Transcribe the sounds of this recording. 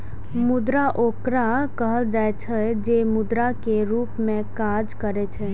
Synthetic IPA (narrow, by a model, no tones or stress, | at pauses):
mʊd̪ɾaʔoːkɾakəɦəld͡ʒ̪aːt͡ʃʰɛd͡ʒeːmʊd̪ɾakeɾuːpmẽkaːd͡ʒkəɾet͡ʃʰe